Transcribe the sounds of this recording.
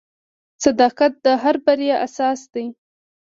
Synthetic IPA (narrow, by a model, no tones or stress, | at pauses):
sad̪ɑqat̪̚d̪əɦaɾbaɾjaʔasɑsd̪̥aj